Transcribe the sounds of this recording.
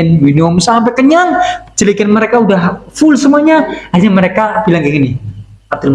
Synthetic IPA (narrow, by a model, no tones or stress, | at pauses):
ɪnminiʊmsampɛkəɲaŋt͡ʃəlikɪnməɾekaudahfʊlsəmuaɲahaɲaməɾekabilaŋɡiŋini | ab̚d̪ulm